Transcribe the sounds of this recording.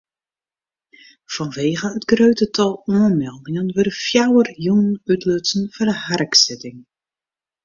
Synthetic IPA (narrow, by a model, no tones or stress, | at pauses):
fɔnʋeːɣəətɡrøɥtətʰɔlˠuənmɛlˠdɪŋənʋəɾəfjawərjunənytʰløtsən̩fɔrdəharksɪtɪŋ